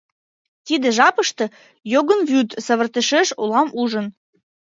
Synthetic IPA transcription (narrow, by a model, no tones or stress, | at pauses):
t̪id̪ĕʒɑpəʃt̪ɤ̆ | joɣənvyt̪səβə̆rt̪eʃeʃolɑmuʒən